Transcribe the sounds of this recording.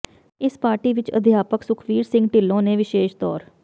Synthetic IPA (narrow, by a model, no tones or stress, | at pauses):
ɪspaːɾʈiːʋɪt͡ʃə̰d̪ʱjaːpəksʊkʰʋiːɾsɪ̃ŋɡʈɪlːõːneːʋɪʃeːʃt̪ɔ̰ːɾ